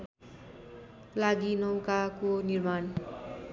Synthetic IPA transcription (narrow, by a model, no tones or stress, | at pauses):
laɡinʌwkakonirman